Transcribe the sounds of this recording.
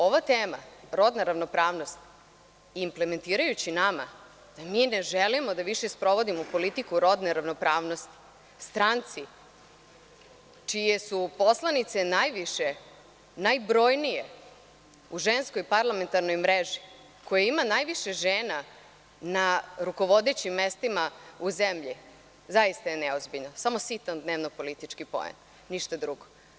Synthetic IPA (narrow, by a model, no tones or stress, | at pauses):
o̞ʋat̪eːma̰ɾo̞d̪naɾaʋno̞pɾaːʋno̞st̪ː | mple̞me̞nt̪iːɾajut͡ɕinama̰ | d̪̥amineʒelimo̞d̪aʋiʃespɾo̞ʋo̞d̪imopo̞lit̪ikuɾo̞d̪neɾaʋno̞pɾaːʋno̞st̪i̥ | st̪ɾant̪si | t͡ʃije̞supo̞slˠanit̪se̞najʋiʃe | najbɾo̞ːjnije | uʒenskojpaɾlˠame̞nt̪aɾnojmɾeʒi | kojaimanajʋiʃeʒeːna | naɾuko̞ʋo̞d̪et͡ɕimːest̪imauzemʎi | zajist̪ae̞nɛozbiʎnosamo̞sit̪and̪neʋnopo̞lit̪it͡ʂkipo̰ḛn | niʃt̪ad̪ɾuɡo